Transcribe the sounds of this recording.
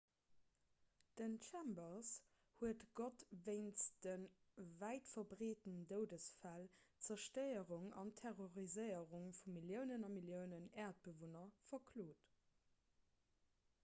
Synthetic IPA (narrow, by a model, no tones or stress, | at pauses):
d̥ənt͡ʃʰæmbɐs | huətɡotveɪnsd̥ənvæɪtfɐbʁeːtəndəʊdəsfælt͡sɐʃtəɪəʁuŋɑ̰ntʰɛʁoʁizəɪəʁuŋfumiljəʊnənɑmiljəʊnənæːɐt̚b̥əvonɐfɐkʰloːt